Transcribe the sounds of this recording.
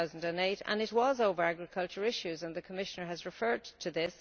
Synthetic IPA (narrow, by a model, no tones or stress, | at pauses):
aʊz̃n̩də̃neɪtə̰̃nɪt̚wɒzoʊvə˞aɡɹɪkʰʌlt͡ʃəɹɪʃʉzə̃nðəkʰəmɪʃə̃nə˞əzɹɪfɜ˞d̚tʰəðɪs